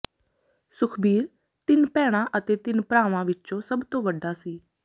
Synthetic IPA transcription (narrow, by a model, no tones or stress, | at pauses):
sʊkʰbiːɾ | t̪ɪnpɛːɽ̃ãːʔət̪eːt̪ɪnpɾaːʋãːʋɪtːt͡ʃõːsəbt̪õːʋəɖaːsiː